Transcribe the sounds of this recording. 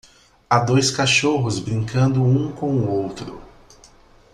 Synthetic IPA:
ad̪ojskaʃoɦʊzbɾĩŋkɐ̃nd̪ʊũkõw̃ʊowt̪ɾʊ

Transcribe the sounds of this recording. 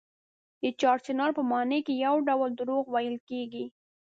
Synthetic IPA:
d̪ət͡ʃɑɾt͡ʃɪnɑɾpəmɑnekejawɖawəld̪ɾoɣwajəlkeɡi

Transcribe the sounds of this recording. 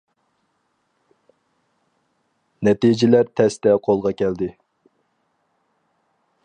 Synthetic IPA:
nɛt̪id͡ʒɪlæɾt̪ʰɛst̪ɛqʰolˠʁɑkʲʰɛld̪ɪ

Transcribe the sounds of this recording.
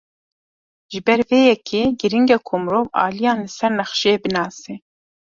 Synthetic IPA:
ʒɨbɛɾveːjɛkʰeːɡɨɾiŋɡɛkʰomɾoːvɑ̰ːlijɑ̃ːnlɨsɛɾnɛxʃeːbɨnɑːse

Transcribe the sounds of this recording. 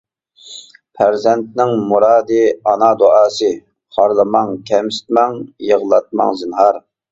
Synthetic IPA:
pʰæɾzɛnt̪̚nɪŋmuɾɑːd̪ɨɑnɑd̪oɑːsɨ | χɑɾlˠɨmɑŋkʲʰɛmsɪ̥t̪mɑŋjəʁlˠɑt̪̚mɑ̰ŋzɨnɦɑɾ

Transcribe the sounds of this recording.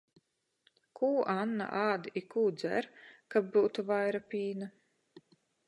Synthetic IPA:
kʰuːʔanːa̰ʔaːd̪ikuːd̪zæ̰ɾkab̚buːt̪uvajɾapʲiːna

